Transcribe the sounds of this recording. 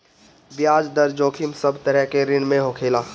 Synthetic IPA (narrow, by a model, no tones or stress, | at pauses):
bjaːd͡ʒd̪əɾd͡ʒoːkʰɪmsəbt̪əɾɛɦkeɾɪnmẽɦoːkʰeːlaː